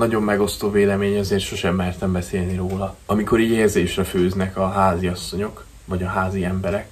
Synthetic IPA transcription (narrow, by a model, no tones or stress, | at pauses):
nɒɟo̞mːɛɡo̞st̪oːveːlɛmeːɲɒzeːrt̪ʃo̞ʃɛmlɛrt̪ɛmbɛseːlniɾoːlɒɒmiko̞ɾiːɟeːrzeːʃrɛføːznɛkɒɦaːziɒsːo̞ɲo̞k | vɒɟɒɦaːziɛmbɛɾɛk